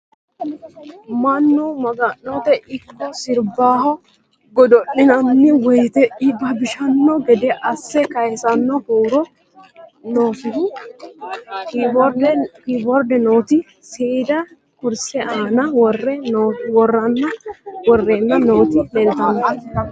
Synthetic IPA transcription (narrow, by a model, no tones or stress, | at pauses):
mɐnːɔmɐɡɐnːot̪ɛʔɪkːɔsɪɾbaːhɔ | ɡɔd̪ɔʔːɪnɐnːɪwɔjt̪ɛɪbɐbɪʃɐnːɔɡɛd̪ɛʔɐsːɛkɐjsɐnːɔkɔwɾɔ | no̞ːtɪd̪ | ɔɾdkibɔɾd̪ɛnoːt̪ɪ | sid̪ɐ | kʊɾsɛaːnɐwɔrɛwɔrːɐnːɐwɔrːeːnːɐno̞ːt̪ɪdɛlt̪ɐnːɐ